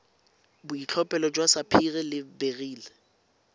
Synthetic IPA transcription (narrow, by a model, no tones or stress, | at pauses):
bʊit͡ɬʰɔpʼɛlɔd͡ʒʼwasapʰiɣɛlɪbeɣiːlɛ